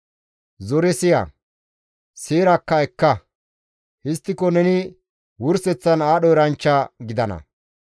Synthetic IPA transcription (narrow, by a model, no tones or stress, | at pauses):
zɔɾɛsɪjɐ̰ | seːɾɐkːɐɛkːɐ | hɪst̪ːɪkɔnɛnɪ | wʊɾsɛt͡sːɐnaːɗɔjɾɐnt͡ʃːɐɡɪd̪ɐnɐ̰